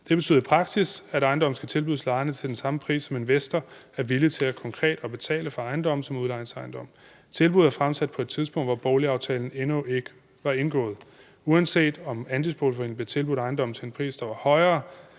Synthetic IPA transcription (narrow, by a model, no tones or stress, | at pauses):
d̥e̝b̥ey̰ð̩ˠipʰʁɑ̈ɡ̥sisæɾɑ̈ɪndɒ̽mn̩sɡ̥æt͡sʰe̝lb̥uðˠslɑ̈ɪɐnət͡sʰe̝ld̥ensɑ̈məpʰʁḭːsːɒ̽me̝nʋesd̥ɐ | æɐʋilit͡sʰe̝lækʰɒ̽ŋkʰʁɛ̰ːd̥ɒ̽b̥e̝t͡sʰɛ̰ːləfɑ̈ɑ̈ɪnd̥ɒ̽m̰n̩sɒ̽muðˠlɑ̈ɪn̩sɑ̈ɪnd̥ɒ̽m̰ | t͡sʰe̝lb̥uð̞ˠæɐfʁamsæd̥̚pʰɒ̽ed̥t͡sʰiðˠsb̥ɔ̽ŋ̰dʋɒb̥ɒʊliɑ̈ʊt͡sʰɛ̰ːln̩enue̝ɡ̥ə | ʋɑ̈e̝nɡ̥ɔ̰ːð̩ˠ | uænse̝̰ːd̥ɒ̽mænd̥isb̥olfɒin̰n̩blet͡sʰe̝lbuð̩ˠɑ̈ɪnd̥ɒ̽m̰n̩t͡sʰe̝enpʰʁḭːsd̥ɑ̈ʋɑ̈hɒ̽ɪɐː